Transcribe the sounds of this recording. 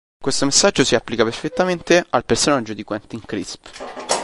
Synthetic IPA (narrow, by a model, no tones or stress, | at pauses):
kwest̪omesːad͡ʒːosiapːlikaperfet̪ːament̪ealpersonad͡ʒːod̪ikwant̪iŋkɾḭsp